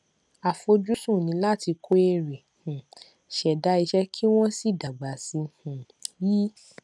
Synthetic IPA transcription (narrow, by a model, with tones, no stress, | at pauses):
a˨fo˧d͡ʒu˦sũ˦˨nĩ˨˧˦la˦˨ti˧kʰo˦e˧ɾe˨hũ˨ | ʃɛ˨da˨˦i˧ʃɛ˦kʰi˦w̃ɔ̃˦si˦˨da˨ɡ͡ba˨si˧hũ˨ji˦